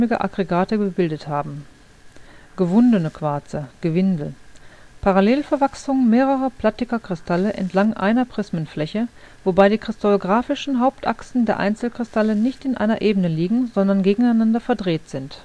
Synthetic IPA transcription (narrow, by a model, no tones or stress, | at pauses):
mɪɡə̰ʔa̰ɡ̥ʁeɡaːtəɡəbɪldəthaːbm̩ | ɡ̥əvʊndənəkʰv̥aɐt͡səɡ̥əvɪndl̩pʰaʁaleːlfɛɐvaksʊŋəmeːʁəʁɐpl̥atɪkɐkʁ̥ɪstʰaləʔɛ̰ntʰlaŋʔa̰ɪnɐpʁ̥ɪsmənflɛçə | v̥obaɪdiːkʁ̥ɪstaloɡʁaːfɪʃn̩ɦaʊp̚tʔa̰ksn̩deːɐʔa̰ɪnt͡sl̩kʁ̥ɪstʰalənɪçtɪnʔa̰ɪnɐʔeːbənəliːɡŋ̩zɔndɐnɡeːɡŋ̩aɪnandɐfɛɐdʁeːtz̥ɪnt